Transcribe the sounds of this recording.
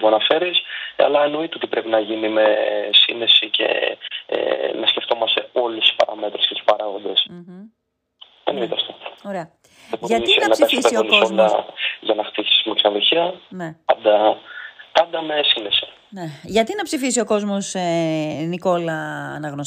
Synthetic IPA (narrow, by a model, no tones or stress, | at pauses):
muɐnɐfe̞ɾisɐ̰lɐeno̞it̪eot̪ipɾe̞pinɐʝinime̞sinesice̞̰ḛnɐsceft̪o̞mɐst̪e̞o̞lesi̥spɐ̰ɾɐ̰me̞t̪ɾescet̪u̥spɐɾɐɣo̞nd̪e̞s | enoit̪eɐfst̪ooɾeɐ | epoʝɐnsenɐɐsespeonisolɐʝɐnɐxt̪isi̥i̥miksɐðuçiɐnepɐnd̪ɐ | pɐnd̪ɐme̞sinesi̥ | neʝɐt̪inɐpsifis̬io̞ko̞zmo̞s | niko̞lɐ̰ːnɐɣno